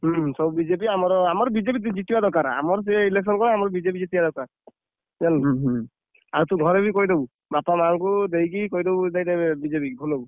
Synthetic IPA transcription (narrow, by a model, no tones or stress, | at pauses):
sɔbubid͡ʒep̬iamɔɾɔamɔɾbid͡ʒep̬it̪d͡ʒit̪iwad̪ɔɾkaɾa̰mɔɾs̬eileksɔnkɔnɔamɔɾɔbid͡ʒep̬id͡ʒit̪iad̪ɔɾkaɾ | d͡ʒan | aɾut̪uɡʱɔɾebikɔjd̪ebu | bapamaŋkud̪ejk̬ikɔjd̪ebud̪ajt̪ebid͡ʒepibʱulɔbu